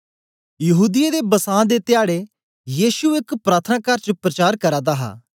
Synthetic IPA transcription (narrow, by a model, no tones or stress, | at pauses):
jɐɦuːd̪ɪjed̪eːbəsãːd̪et̪ɪjaːɽe | jiːʃuɪkpɾaːt̪ʰənãːkɐɾt͡ʃəpɾət͡ʃaːɾkəɾaːd̪aɦa̰ː